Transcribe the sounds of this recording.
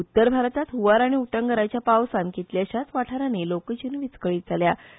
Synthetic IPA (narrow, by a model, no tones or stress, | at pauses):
ut̪ːəɾbʱaɾt̪at̪ɦuʋaɾaɽ̃iuʈəŋɡəɾajt͡ɕjapawsãnkit̪ljaɕat͡sʋaʈʰaɾanelokət͡ɕinʋit͡skəɭiːt̪̚d͡zʱalja